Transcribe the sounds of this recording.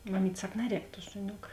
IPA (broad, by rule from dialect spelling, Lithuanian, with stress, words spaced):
mɐˈmʲiːtʲ ˈsɐk ˈnɑːˌrʲɛːk tuɔ ʃʊˈnʲoːk